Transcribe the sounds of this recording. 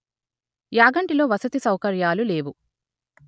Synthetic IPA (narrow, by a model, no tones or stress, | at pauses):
jaːɡɐɳʈilo̞ːʋɐsɐt̪isɐwkɐɾjaːlule̞ːʋu